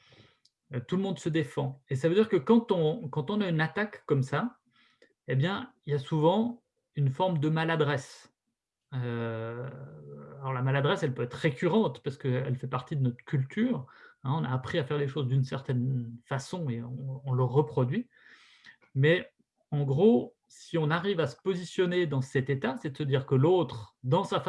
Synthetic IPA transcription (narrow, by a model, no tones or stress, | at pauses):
øt̪uləmɔ̃d̪səd̪efɑ̃esavød̪iʁkəkɑ̃t̪ɔ̃kɑ̃t̪ɔ̃naynat̪akːɔmsa | ebjɛ̃iljasuvɑ̃ | ynfɔʁmd̪əmalad̪ʁɛs | ø | alɔʁlamalad̪ʁɛsɛlpøɛt̪χʁekʲyʁɑ̃t̪paʁsə̥kəɛ̰lfɛpaʁt̪id̪ənɔt̪χə̥kʲylt̪yːʁɛ̃ɔ̃na̰ːpχiafɛʁleʃozd̪ynsɛʁt̪ɛnfasɔ̃eɔ̃ɔ̃ləʁəpχɔd̪ɥi | mɛ | ɑ̃ɡʁo | siɔ̃naʁivasə̥pɔzisjɔned̪ɑ̃sɛt̪et̪asɛt̪əsəd̪iːʁkəlot̪χd̪ɑ̃saf